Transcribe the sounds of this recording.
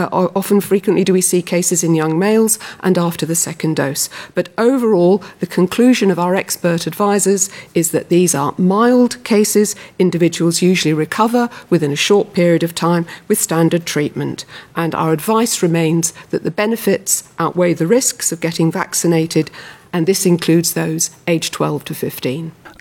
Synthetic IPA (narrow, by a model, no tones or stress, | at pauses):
ʔʔɑfɨ̃n̩fɹikwɨ̃nʔlidɨwisikʰeɪsɨzɨ̃njʌ̃ŋmeɪlˠzʔə̰̃næftə˞ðɨsɛkɨ̃ndo̰ʊsb̥ʌɾoʊvə˞ɔlˠðɨkʰɨ̃nkʰl̥ʉʒɨ̃nʌvaʊə˞ɛkspɜ˞ɾɨdvaɪzə˞zɨzðɨʔ̪̚ðizə˞maɪlˠdkʰeɪsɪzɪ̃ndɨvɪd͡ʒəwl̩ˠzjʉʒl̩ˠiɹɨkʰʌvə˞wɨðɪ̃nɨʃɔɹt̚pʰɪɹiɨɾʌv̥tʰãɪ̃mwɨð̥stæ̃ndə˞d̚tʰɹ̥iʔ̚mɨ̃ntʔə̃na̰ʊə˞ɨdvaɪsɹɨmẽɪ̃nzðɨʔ̪̚ðɨbɛnɨfɪtsʔaʊʔweɪðɨɹɪsksʌvɡɛɾɪ̃ŋvæ̰ksɨneɪɾɪɾɨ̃nðɪsɨ̃nkʰl̥ʉdzðoʊz̥eɪd̥ʒ̥tʰw̥ɛ̰lˠv̥tʰɨfɪftĩn